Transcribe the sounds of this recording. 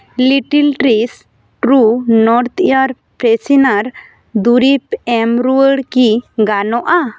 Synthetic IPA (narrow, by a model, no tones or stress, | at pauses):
liʈilʈɾis | ʈɾunɔɾt̪ʰijaɾ | pɾɛsinaɾ | d̪uɾipɛmɾuəɽkiɡanɔʔa